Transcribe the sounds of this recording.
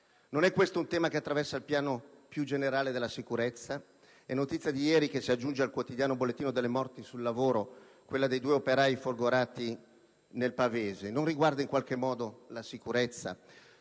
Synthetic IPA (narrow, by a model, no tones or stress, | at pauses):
nonɛkːwest̪ount̪ɛːmakeat̪ːɾavɛrsailpjaːnopjud͡ʒeneɾaːled̪elːasikuɾet̪sːa | ɛnːot̪it̪sːjad̪ijɛːɾikesiad͡ʒːund͡ʒealkwot̪id̪jaːnobolːet̪ːiːnod̪elːemɔrt̪isulːavoːɾo | kwelːad̪ejd̪uːeopeɾaːjifolɡoɾaːt̪i | nelpaveːzenonriɡward̪aiŋkwalk̟emːɔːd̪olasikuɾet̪sːa̰